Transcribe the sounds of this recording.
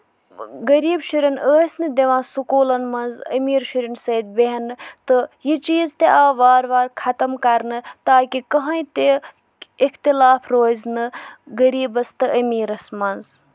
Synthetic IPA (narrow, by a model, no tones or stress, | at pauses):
ɡɐɾiːbʃuɾʲɐnəːsʲnɨd̪eʋãːsukuːlɐnmɐnzɐ̰miːɾʃuɾinsɐːd̪̚beɦɐnɨt̪ɨjit͡ʃiːzt̪eʔaːʋaːɾʋaːɾkʰɐt̪ɐmkɐɾnɨt̪aːkikɐɦãit̪e | ikʰt̪ilaːpʰɾoːznɨɡɐɾiːbɐst̪ɨʔɐmiːɾɐsmɐnz